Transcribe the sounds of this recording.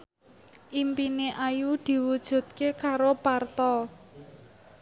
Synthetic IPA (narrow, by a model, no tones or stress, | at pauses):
ʔimpineʔajud̪̥i̤wud̥ʒ̥ṳt̪̚kekaɾopart̪ɔ